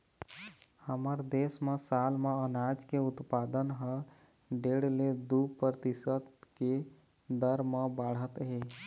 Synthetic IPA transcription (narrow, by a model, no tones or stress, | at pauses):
həməɾd̪esmesalmeənad͡ʒkeʊt̪pad̪ənɦə̃ | ɖeɽled̪upɾət̪isət̪ke | d̪əɾmə̃baɽ̤ət̪ɦe